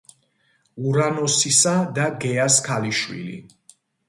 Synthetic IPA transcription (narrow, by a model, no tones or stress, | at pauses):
uɾanɔsisad̪aɡɛaskʰaliʃwḭlḭ